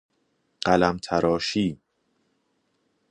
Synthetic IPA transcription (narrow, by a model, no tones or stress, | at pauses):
ɢ̥ælæmt̪ʰæɾɒːʃiː